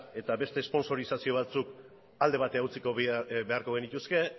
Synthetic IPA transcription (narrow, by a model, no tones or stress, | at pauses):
e̞t̪aβe̞st̪eːspo̞nso̞ɾisasio̞β̞at͡suk | ald̪e̞βat̪e̞aut͡siko̞be̞aɾko̞ɣ̞enit̪uske̞